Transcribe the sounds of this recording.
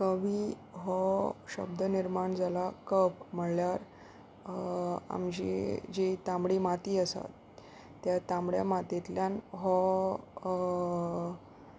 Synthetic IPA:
kəʋiː | ɦɔɕə̰b̚d̪əniɾmaɳd͡zʱalakəpm̤əɭljaɾ | a̰md͡ʑḭd͡ʑet̪ãmbɽimat̪iːəsa̰t̪ː | jat̪ãmɽja̰mat̪et̪ljanɦɔ

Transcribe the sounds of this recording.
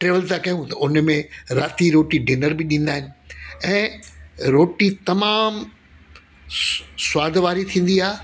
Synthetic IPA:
ʈɾeːʋəlt̪ãkɐjũt̪ʊnmẽɾaːt̪iɾoːʈiɖɪnəɾbɪɗĩːn̆d̪aːɦɪnɪ̆ɛ̃ːɾoːʈit̪ɐmaːm | swaːd̪ʱʋaːɾit̪ʰĩːn̆d̪iaː

